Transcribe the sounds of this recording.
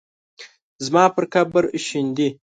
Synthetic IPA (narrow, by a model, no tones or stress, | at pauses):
zmɑːpəɾkabəɾʃind̪i